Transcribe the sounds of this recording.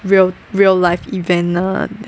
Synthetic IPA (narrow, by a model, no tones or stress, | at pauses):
ɹil | ɹillaɪfivə̃nʌ̰